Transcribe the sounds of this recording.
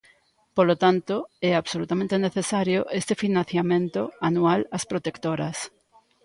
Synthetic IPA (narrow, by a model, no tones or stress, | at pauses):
polot̪ant̪oɛaβsolut̪amẽnt̪eneθesaɾjoʔest̪efinãnθjamẽnt̪oanualɐspɾot̪ekt̪oɾɐs